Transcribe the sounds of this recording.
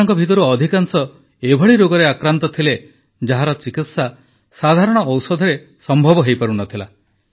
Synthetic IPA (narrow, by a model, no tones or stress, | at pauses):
ŋkɔbʱit̪ɔɾuɔd̪ʱikaŋsɔ | ebʱɔɭiɾoɡɔɾeakɾant̪ɔt̪ʰile | d͡ʒaɦaɾɔt͡ʃikit̪sa | sad̪ʱaɾɔɽ̃ɔʔːwsɔd̪ʱɔɾe | sɔmbʱɔbɔɦejpaɾunɔt̪ʰila